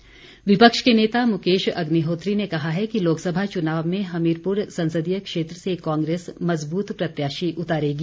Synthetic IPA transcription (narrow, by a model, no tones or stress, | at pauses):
ʋɪpəkʃkeneːt̪amʊkeːʃɐ̰ɡniɦoːt̪ɾinekɐɦaɦɛkiloːksɐbʱat͡ʃʊnaːʋmẽɦɐmiːɾpʊɾsɐ̃nsəd̪ijəkʃeːt̪ɾəsekãːŋɡɾeːsmɐzbuːt̪pɾɐt̪jaːʃiʔʊt̪aːɾeːɡiː